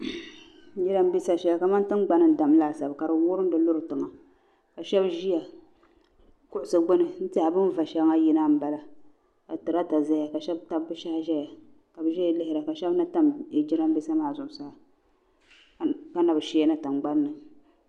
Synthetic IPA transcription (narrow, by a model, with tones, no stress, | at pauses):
d͡ʒi˦ɾa˦mbi˦sa˦ʃɛ˦ja˨ka˨ma˦n˦tɨ˦ŋɡ͡ba˦nɨ˦n˦da˨m˦laː˦˨sa˨bka˨ɾɨ˨wʊ˦ɾɨ˦n˦dɨ˨lʊ˦ɾɨ˨tɨ˨ŋa˨ | ka˨ʃɛ˦bʒi˦ja˨ | kʊ˦ʔʊ˨sɨ˨ɡ͡bo˦nɨ˨n̩˦tɪ˦ha˨bɨ˦nva˨ʃɛ˦bŋa˦ji˦na˦m̩˦ba˨la˨ | a˨tɨ˨ɾa˦ta˨za˦ja˨ka˨ʃɛ˦bta˦bːɨ˦ʃa˦hʒɛ˦ja˨ | ka˨bɨ˨ʒɛ˦jlɪ˦hɪ˨ɾa˨ka˨ʃɛ˦bna˦ta˦m˨d͡ʒɪ˦ɾa˦mbi˦sa˦maː˦˨zʊ˨ʔʊ˨sa˦a˨ | ka˦na˨bɨ˨ʃe˦a˦nɨ˦tɨ˨mɡ͡ba˦nːɨ˨